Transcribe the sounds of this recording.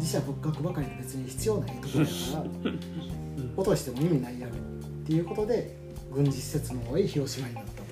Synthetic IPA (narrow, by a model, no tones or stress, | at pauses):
d͡ʑiɕiabokɯɡakɯ̟bakaɾʲid̪obe̞t͡sɨɲ̟içi̥t͡sɨjo̞ːnaeːk̪ooakaɾa | o̞t̪o̞ɕi̥t̪e̞mo̞imʲinaijaɯ̟̰ | t̪ːe̞jɯ̟ːko̞t̪o̞d̪e̞ | ɡɯ̟̃ɲ̟d͡ʑiɕi̥se̞t͡sɨnoɦo̞ːiçio̞ɕimainanoo